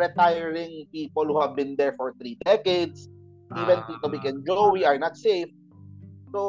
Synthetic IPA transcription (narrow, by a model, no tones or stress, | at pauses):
ɹɛt̪ajɛɹɪ̃ŋpiːpɔlhuhavbɪ̃nd̪ɛɹfɔɹt̪ɾid̪ɛked̪s | ʔiːvɛ̃npit̪obikɛ̃nd͡ʒowiaɹnat̪sejf | so